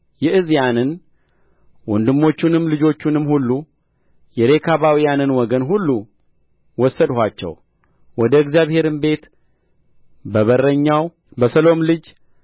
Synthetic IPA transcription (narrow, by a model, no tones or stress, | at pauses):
jɛʔɨzjanɨn | wɔnd̪ɨmːo̞t͡ʃːunɨmlɨd͡ʒo̞t͡ʃːunɨmhulːu | jɛɾe̞kʰaβawijanɨnwɔɡənɦulːu | wɔsːəd̪hʷat͡ʃːɛ̰w | wɔd̪əɨɡzjaβhe̞ɾɨnbe̞t̪ | bəβərəɲːaw | bəsəlo̞mlɨd͡ʒ